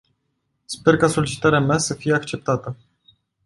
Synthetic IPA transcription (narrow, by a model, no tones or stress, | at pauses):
spe̞rkaso̞lit͡ʃi̥t̪aɾeameasəfijeakt͡ʃe̞p̚t̪at̪ə